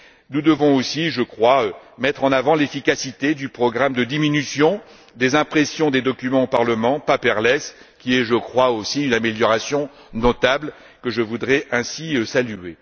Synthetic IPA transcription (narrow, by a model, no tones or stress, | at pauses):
nud̪əvɔ̃osiʒəkχwaømɛt̪χɑ̃navɑ̃lefikasit̪ed̪ypχɔɡʁamd̪əd̪iminysjɔ̃ | d̪ezɛ̃pχesjɔ̃d̪ed̪ɔkʲymɑ̃opaʁləmɑ̃papɛʁlɛs | kʲiɛʒəkχwaosiynameljɔʁasjɔ̃ | nɔt̪abl | kəʒəvud̪ʁɛɛ̃siøsalye